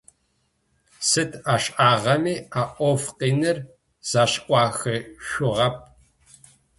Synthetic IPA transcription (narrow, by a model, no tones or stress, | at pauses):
sɨtʰaːɕʔaːʁɐmiːaːʔʷɔfqiːnɨr | z̥aːɕʔʷʼɑːxɨʃʷʊʁɐp̚ʰ